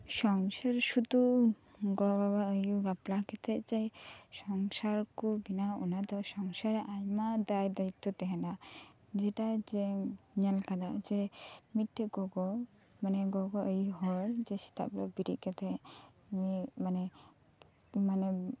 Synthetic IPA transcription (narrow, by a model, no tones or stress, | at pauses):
sɔŋsaɾsut̪u | ɡɔbabaəjubaplakɛt̪ʰɛʔt͡ʃajsɔŋsaɾkubinaɔ̰nad̪ɔsɔŋsaɾɛʔajmad̪ajd̪ait̪ːɔt̪ɛɦɛna | d͡ʒɛʈad͡ʒɛɲəlkad̪aʔd͡ʒɛmitʈɛɡɔɡɔ | manɛɡɔɡɔʔəjiɦɔɾd͡ʒɛsi̥t̪a̰blɔbiɾḭʔkɛt̪ʰɛ | mimanɛ | manɛ